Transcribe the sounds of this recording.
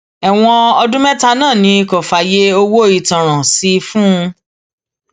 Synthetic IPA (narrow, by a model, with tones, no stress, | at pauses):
ɛ˨w̃ɔ̃˧ɔ˧dũ˦mɛ˦ta˧nãː˦˨nĩ˧kɔ˨fa˨je˦o˧wo˦˨i˨tã˨ɾ̃ã˨si˨˦fũ˦˧